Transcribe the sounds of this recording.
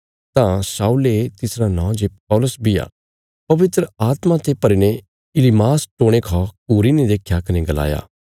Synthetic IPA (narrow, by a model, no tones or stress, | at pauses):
t̪ãsaːulet̪ɪsɾanɔ̃ːd͡ʒepɔːlʊsbɪja̰ | pɐʋɪt̪ɾəaːt̪mãt̪epɐɾine | ɪlimaːsʈoːɽ̃ekʰɔkuːɾined̪eːkʰjakɐneɡɐla̰ːja̰ː